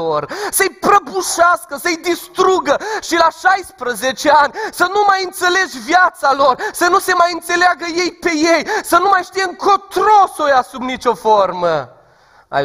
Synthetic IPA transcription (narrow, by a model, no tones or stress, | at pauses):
orsəjpɾəbuʃaskəsəjd̪ist̪ɾuɡəʃilaʃajspɾəzet͡ʃeanʲsənumajɨnt̪se̞le̞d͡ʒʲvjat̪salo̞rsənuse̞majɨnt̪se̞leaɡəje̞jpe̞je̞jsənumajʃt̪ijeɨŋkʰot̪ɾo̞sojasubnit͡ʃʲo̞fo̞rmə | a̰